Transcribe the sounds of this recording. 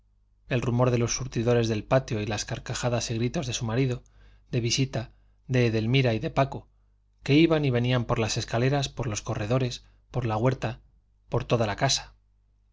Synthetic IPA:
e̞lrumo̞ɾðe̞lo̞sːuɾt̪iðo̞ɾe̞zðe̞lpat̪jo̞ilaskaɾkaxaðasiɣɾit̪o̞zðe̞sumaɾiðo̞ | d̪e̞βisit̪a | ðe̞ːðe̞lmiɾaiðe̞pako | ke̞iβaniβe̞niampo̞ɾlase̞skale̞ɾaspo̞ɾlo̞sko̞re̞ðo̞ɾe̞s | po̞ɾlaɣwe̞ɾt̪a | po̞ɾt̪o̞ð̞alakasḁ

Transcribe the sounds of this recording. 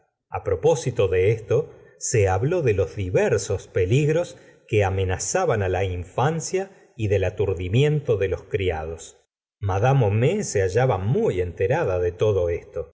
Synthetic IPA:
a̰pɾo̞po̞sit̪o̞ðeest̪o̞ | seaβlo̞ðelozðiβɛɾso̞speliɣɾo̞s | keame̞nasaβanalaiɱfansja | iðe̞lat̪uɾðimje̞nt̪oðelo̞skɾia̰ðos | maðamomeseaʒaβamuje̞nt̪eɾaðaðet̪o̞ðo̞est̪o̞

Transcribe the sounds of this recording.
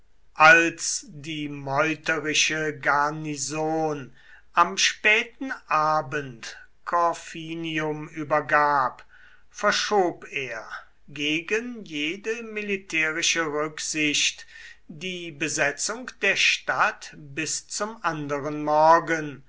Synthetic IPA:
ʔalsdiːmɔʏtəʁɪʃəɡaɐnizoːn | ʔamʃpɛːtn̩ʔaːbənt | kʰɔfiːniʊmyːbɐɡaːp | fɛɐʃoːpeːɐ | ɡeːɡənjeːdəmɪlitʰɛːʁɪʃəʁʏkz̥ɪɕtd̥iːbəzɛt͡sʊŋkd̥eːɐʃtatbɪst͡sʊmʔandəʁənmɔɐɡən

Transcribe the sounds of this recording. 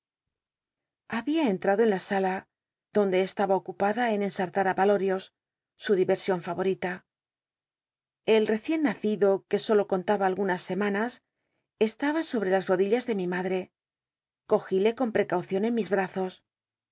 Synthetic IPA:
aβiae̞nt̪ɾaðo̞e̞nlasala | ð̥o̞nd̪e̞ːst̪aβao̞kupaðae̞ne̞nsaɾt̪aɾapalo̞ɾjo̞sː | uðiβe̞ɾsjo̞ɱfaβo̞ɾit̪a | e̞lre̞θje̞nːaθiðo̞ke̞so̞lo̞ko̞nt̪aβaːlɣunasːe̞manas | e̞st̪aβaso̞βɾe̞lasro̞ðiʎazðe̞mimaðɾe̞ | ko̞xile̞ko̞mpɾe̞kawθjo̞ne̞nmizβɾaθo̞s

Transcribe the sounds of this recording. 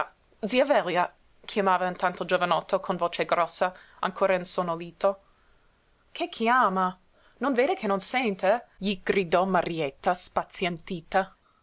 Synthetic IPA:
d̪ziavɛlja | kʰjamaːvaint̪ant̪od͡ʒovanɔt̪ʰːokʰonvoːt͡ʃeɡɾɔsːa | a̰ŋkʰoːɾainsonoliːt̪o | kʰekʰːiaːma | nonveːd̪ekʰenonsɛnt̪eʎiɡ̥ɾid̪ɔmaɾjɛt̪ːaspat̪sjant̪iːt̪a

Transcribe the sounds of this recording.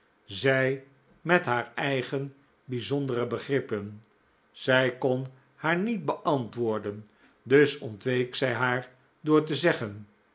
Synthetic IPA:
zɛj | mɛtɦaːɹɛjχən | bizɔndərəbəχrɪpən | z̥ɛjkɔn | haːɹnit̚bəʔɑntʋʊːɹdən | dɵsɔntʋejksɛjɦaːɹ | dʊːɹtəzɛχən

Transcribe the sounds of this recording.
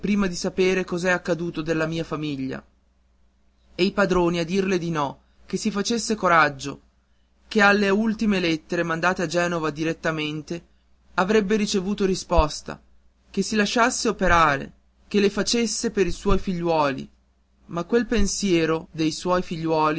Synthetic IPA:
pɾiːmad̪isapeːɾekɔzɛakːad̪uːt̪od̪elːamiːafamiʎːa̰ | ejpad̪ɾoːniad̪ːirled̪inɔ | kesifat͡ʃesːekoɾad͡ʒːo̰ | kealːeult̪imelet̪ːeɾemand̪aːt̪ead͡ʒɛːnovad̪iɾet̪ːament̪e | avɾɛbːeɾit͡ʃevuːt̪oɾispɔst̪a̰ | kesːilaʃːasːeopeɾaːɾḛ | k̟elːefat͡ʃesːepeɾiswɔjfiʎːwɔːlḭ | makːwelpensjɛːɾod̪ejswɔːjfiʎːwɔːli

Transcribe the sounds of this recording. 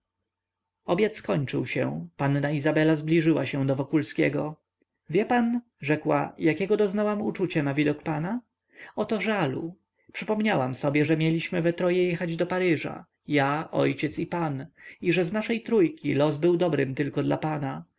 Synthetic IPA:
ɔbʲjat̪skɔɲt͡ʂɘ̰wɕɛ̰̃panːaizabɛlazblʲiʐɘwa̰ɕɛ̃w̃d̪ɔvɔkulskʲɛɡɔ | vʲjɛpan | ʐɛkwa̰jakʲɛɡɔd̪ɔznawamut͡ʂut͡ɕanavʲid̪ɔkpana | ɔt̪ɔʐalṵ | pʂɘpɔmɲawamsɔbʲjɛʐɛmʲjɛlʲiɕmɘvɛt̪ɾɔjɛjɛxad͡ʑd̪ɔpaɾɘʐa̰ | jaʔɔ̰jt͡ɕɛt̪sipaniʐɛznaʂɛjt̪ɾujkʲilɔzbɘwd̪ɔbɾɘmt̪ɘlkɔd̪la̰pana

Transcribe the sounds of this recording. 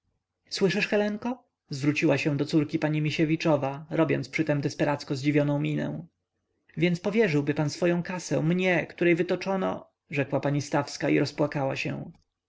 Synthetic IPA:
swɘʂɘʂxɛlɛŋkɔ | zvɾut͡ɕiwaɕɛ̃w̃d̪ɔt̪suɾkʲipaɲimʲiɕevʲit͡ʂɔvaɾɔbʲjɔ̰ntspʂɘt̪ɛmd̪ɛspɛɾat̪skɔzd͡ʑivʲjɔnɔ̃w̃mʲinɛ̰w̃ | vʲjɛnspɔvʲjɛʐɘwbɘpansfɔjɔ̃w̃kasɛ̰̃mɲɛkt̪uɾɛjvɘt̪ɔt͡ʂɔnɔ̰ | ʐɛkwapaɲist̪afskaḭɾʔɔspwakawaɕɛ̰w̃

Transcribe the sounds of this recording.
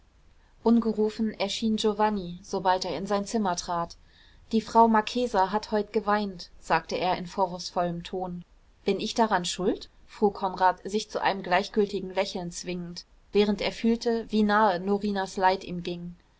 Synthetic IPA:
ʔʊnɡəʁuːfn̩ʔɛɐʃiːnd͡ʒovaniz̥obalteːɐɪnzaɪnt͡sɪmɐtʁ̥aːt | d̥iːfʁ̥aʊmaɐkʰeːzaɦathɔʏtɡ̥əvaɪntz̥aːk̚təʔeːɐɪnfoːʁʊsfɔləmtʰoːn | b̥ɪnɪçd̥aʁanʃʊlt | fʁ̥uːkʰɔnʁaːtz̥ɪçt͡suʔa̰ɪnəmɡlaɪçɡ̥ʏltɪɡŋ̩lɛçl̩nt͡sv̥ɪŋənt | v̥ɛːʁənteːɐfyːltʰəviːnaːənoʁiːnaslaɪtḭːmɡɪŋ

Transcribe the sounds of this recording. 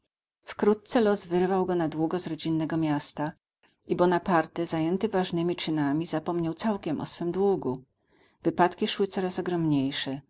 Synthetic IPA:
fkɾut̪̚t̪sɛlɔzvɘɾvawɡɔnad̪wuɡɔzɾɔd͡ʑinːɛɡɔmʲjast̪a | ʔibɔnapaɾt̪ɛzajɛnt̪ɘvaʐnɘmʲit͡ʂɘnamʲizapɔmɲawt̪sawkʲɛmʔɔ̰sfɘmd̪wuɡu | v̥ɘpat̪kʲiʂwɘt̪sɔɾasɔɡɾɔmɲejʂɛ

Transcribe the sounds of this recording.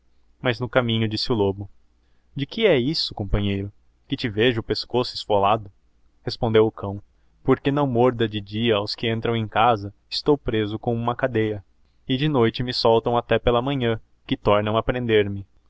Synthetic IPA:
mɐznʊkamĩɲʊd͡ʒisɪʊlobʊ | d͡ʒɪkɪɛisʊkõmpɐ̃ɲejɾʊ | kɪt͡ʃɪveʒʊpeskosʊɪsfolad̪ʊ | hespõnd̪ewʊkɐ̃w̃ | poɾkenɐ̃w̃moɾd̪ɐd͡ʒɪd͡ʒiɐawskɪẽnt̪ɾɐ̃w̃ẽj̃kazɐɪst̪owpɾezʊkõw̃ũmɐkad̪ejɐ | ɪd͡ʒɪnojt͡ʃɪmɪsɔwt̪ɐ̃w̃at̪ɛpelɐmɐ̃ɲɐ̃ | kɪt̪ɔɾnɐ̃w̃apɾẽnd̪eɾmɪ

